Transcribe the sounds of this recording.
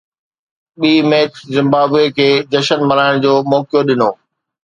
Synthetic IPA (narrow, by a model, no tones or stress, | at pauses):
ɓiːmeːkzɪ̃mbaːbekʰeːd͡ʑɐʃənmɐɾaːɪɽ̃d͡ʑoːmɔːkijoɗɪnoː